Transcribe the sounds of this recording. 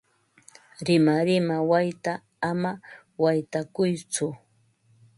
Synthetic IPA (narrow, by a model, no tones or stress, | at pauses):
ɾɪmaɾɪmawajt̪aː | ma | wajt̪akʊjt͡sʊ